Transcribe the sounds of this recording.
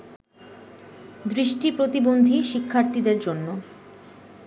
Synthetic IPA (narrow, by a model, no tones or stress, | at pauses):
d̪ɾiʃʈipɾot̪ibond̪ʱiʃikʰːaɾt̪id̪eɾd͡ʑonːo